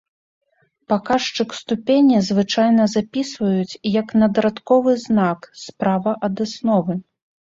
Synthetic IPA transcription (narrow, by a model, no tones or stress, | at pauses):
pakaʂt͡ʂɨkst̪upʲenʲizvɨt͡ʂajnɐzapʲisvɐjut͡sʲjɐknɐd̪ɐɾat̪kɔvɨznakspɾavɐʔɐd̪asnɔvɨ